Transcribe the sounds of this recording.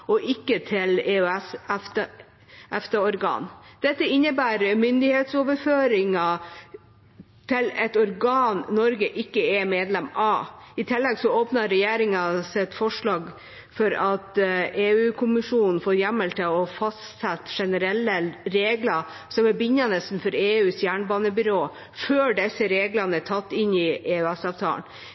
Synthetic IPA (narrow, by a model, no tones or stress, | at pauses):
ɔʔɪkːət̪ʰɪleːʉɛsf | ʔɛft̪əɔɾɡɑ̰ːnd̪̥ɛt̪ːəɪnːəbæːɾmʏnd̪ɪheːt̪soːʋəɾføːɾɪŋɑ | t̪ʰɪlɛt̪ɔɾɡɑːnːɔɾɡəʔɪkːəɛmeːd̪lɛmɑɪt̪ʰɪlːɛɡsɔoːpnɑːɛjeːɾɪŋɑsɛt̪fɔʂɭɑːɡ | fɔɾɑt̪eːʉːkʰʊmɪʂuːnn̩foːɾjæmːəlt̪ʰəɔfɑst̪sɛt̪ːʂɛnəɾɛlːəɾeːɡlɑ | sɔmæbʏɲːɑnɛst̪n̩fɔɾeːʉːsjæːɳbɑːnəbʏɾoː | føːɖɛsəɾeːɡlɑnəæʈʰɑt̪ːɪnɪʔeːʉæsɑʋt̪ʰɑ̰ːɳn